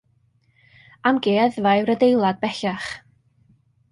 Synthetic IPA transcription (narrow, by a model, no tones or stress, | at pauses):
amɡeːðvajɾədejlˠad̚bɛɬaχ